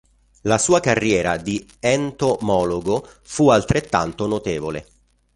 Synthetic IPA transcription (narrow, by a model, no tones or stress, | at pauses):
lasuːakarːjɛːɾa̰d̪i | ɛnt̪omɔːloɡo | fualt̪ɾet̪ːa̰nt̪onot̪eːvolḛ